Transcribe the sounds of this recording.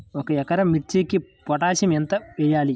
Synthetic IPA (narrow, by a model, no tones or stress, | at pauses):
ɔkɐɛkɐɾɐmiʈt͡ʃikipɔʈaːʃɐmɛnt̪ɐʋɛːjaːli